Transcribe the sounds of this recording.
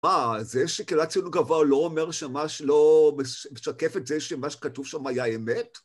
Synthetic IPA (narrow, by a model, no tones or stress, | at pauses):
mazeʃekilat͡siunuɡavoloːmeʁʃemmaʃlomeʃmeʃakefetzeʃeamaʃkatuvʃamajaemet